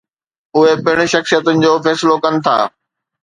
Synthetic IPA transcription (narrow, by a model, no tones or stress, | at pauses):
ʊɦepɪɪɽ̃ʊ̆ʃɐxsijət̪ənɪ̆d͡ʑoːfɛːsɪlokɐnɪ̆t̪ʰa̰ː